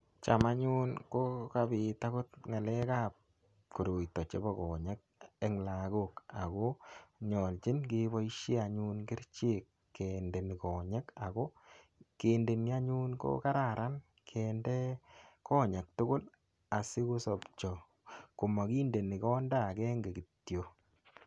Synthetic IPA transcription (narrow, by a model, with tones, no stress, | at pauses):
t͡ʃama˦ɲu˦nko˦kabɪ˨ta˦kʊ˦t̪ŋa˨lɛ˦ka˦p̚ | ku˨ɾo˨jtɔ˨t͡ʃe˦bɔ˦kɔː˨ɲe˦k̚ɛ˦ŋla˨ɡoka˨ko˦ɲɔ˨lt͡ʃɪ˦nke˦bɔ˦iʃe˦a˨ɲu˦nkɪ˦ɾt͡ʃe˦kːende˨nɪ˨kɔː˨ɲe˦ka˨ko˦ | keːnde˨ni˦a˦ɲu˦nko̰˦ka˦ɾa˨ɾʔa˦n | kʰɛndɛkɔ˦ɲa˨k̚tʊ˦ɡʊ˦l | a˨sɪ˦ku˦sɔpt͡ʃɔ˨ | ku˨ma˨ki˦nde˨nɪ˨kɔ˦nda˦kɛ˦ŋɡe˨ki˨tjo˨